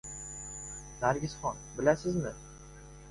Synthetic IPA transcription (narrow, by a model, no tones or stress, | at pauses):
naɾɡʲɪzχɒnbɪlasɪzmɪ